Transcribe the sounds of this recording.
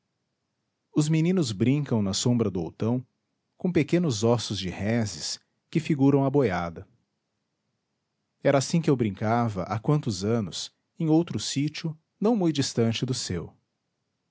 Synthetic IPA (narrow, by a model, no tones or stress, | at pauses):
ʊzminĩnʊzbɾĩŋkɐ̃w̃nɐsõmbɾɐd̪ʊo̰wt̪ɐ̃w̃ | kõpekẽnʊzɔsʊzd͡ʒɪhɛzɪs | kɪfiɡuɾɐ̃w̃ɐbojad̪ɐ | ɛɾɐasĩkɪewbɾĩŋkavɐ̰ʔakwɐ̃nt̪ʊzɐ̃nʊs | ẽj̃owt̪ɾʊsit͡ʃʊ | nɐ̃w̃mũjd͡ʒist̪ɐ̃nt͡ʃɪd̪ʊsew